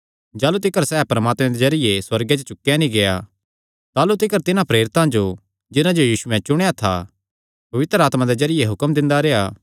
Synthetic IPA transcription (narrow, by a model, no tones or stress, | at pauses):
d͡ʒaːlut̪ɪkəɾsɛːpɾəmaːt̪mẽd̪ezɐɾɪjeswɐɾɡet͡ʃot͡ʃʊkːjanĩɡeja | t̪aːlut̪ɪkəɾt̪ɪnãpɾeːɾɪt̪ãd͡ʒo | d͡ʒɪnãd͡ʒojiːsuɛ̃t͡ʃʊɽ̃jat̪ʰa̰ | pɐʋɪt̪ɾəaːt̪mãd̪ezɐɾɪjeɦʊkəmd̪ɪ̃nd̪aɾejaː